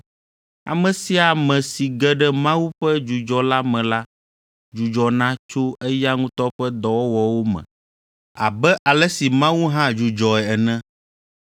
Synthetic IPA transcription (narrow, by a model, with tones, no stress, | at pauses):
a̰˨mɛ̃˨si˨˦a˨mɛ̃˨si˨ɡɛ˦ɖɛ˦mã˦wu˦ɸɛ˦d͡ʒu˨d͡ʒɔ˨la˦mɛ̃˨la˦ | d͡ʒu˨d͡ʒɔ˨nã˦t͡ʃo˦ɛ˦ja˦ŋũ˦t̪ɔ˦ɸɛ˦d̪ɔ˨wɔ˦wɔ˨wo˦mɛ̰̃˨ | a̰˨bɛ˦ʔa˨lɛ˦si˨mã˦wu˦ɦã˦d͡ʒu˨d͡ʒɔ˨ɛ˨ɛ˨nɛ̃˦